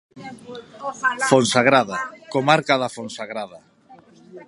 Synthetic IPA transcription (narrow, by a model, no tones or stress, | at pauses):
fonsaɣɾaðakomaɾkaðafonsaɣɾaða